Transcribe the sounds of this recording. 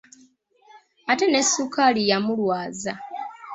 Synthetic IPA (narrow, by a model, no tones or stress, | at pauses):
ate̞ne̞sːukalijamulwaːza